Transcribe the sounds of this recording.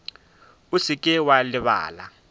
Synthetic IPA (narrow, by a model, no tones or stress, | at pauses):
usikʼɪwalɪβa̰ːla̰